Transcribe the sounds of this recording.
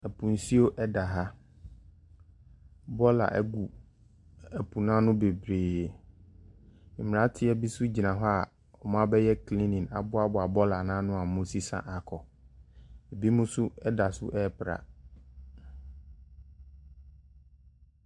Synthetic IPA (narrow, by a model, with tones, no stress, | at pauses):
ɛ˨pʰũ˨n̩˨si˦o˦ʔɛ˦da˨ɦa˦ | bɔ˦la̰˨ʔɛ̰˦ɡu˨ | ɛ˨pʰu˨nã˦nʊ̃˦be˨bɾeː˨ | m̩˨mɪ˨ɾa˦tʰɪ˦ɛ˦bi˦sʊ˦d͡ʑi˨nã˨ɦɔ˦a˨ | ɔ˨mã˦bɛ˦jɛ˦kʰlĩ˦nĩ˨na˨bʊ˦a˦bʊ˨a˨bɔ˦la˨nãː˦nʊ̃˦a˨mo˦si˦sã̰˨ʔa˨kʰɔ˨ | e˨bi˦mʊ̃˦sʊ˦ɛ˦da˨sʊ̰˦ʔɛ˦˨pʰɾa̰˨